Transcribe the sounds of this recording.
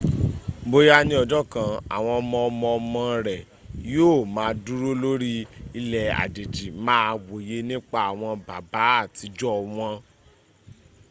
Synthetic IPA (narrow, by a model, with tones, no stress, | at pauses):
bo˧ja˦nĩ˧ɔ˧˨d͡ʒɔ˦kã˨a̰˨w̃ɔ̃˧ɔ˧mɔ̃˧ɔ˧mɔ̃˧ɔ˧mɔ̃˧ɾɛ˨ | joː˦˨mãː˨˦du˦ɾo˦lo˦ɾi˦i˧lɛ˨a̰˨de˨d͡ʒi˨mãː˦˧wo˨je˦nĩ˦k͡pa˦a˨w̃ɔ̃˧ba˨ba˨˦a˦˨ti˨˦d͡ʒɔ˦˨w̃ɔ̃˧